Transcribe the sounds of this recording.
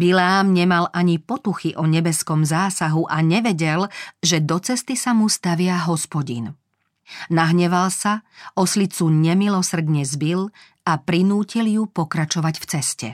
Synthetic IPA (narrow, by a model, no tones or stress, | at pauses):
bilɛaːmɲɛmalʔaɲipɔt̪uxiʔɔɲɛbɛskɔmzaːsaɦuʔaɲɛʋɛɟɛlʒɛd̪ɔt͡sɛst̪isamust̪aʋɪaɦɔspɔɟḭn | naɦɲɛʋalsaʔɔslit͡suɲɛmilɔsr̩d̪ɲɛzbil | apɾinuːciljupɔkɾat͡ʃɔʋaɟft͡sɛscɛ̰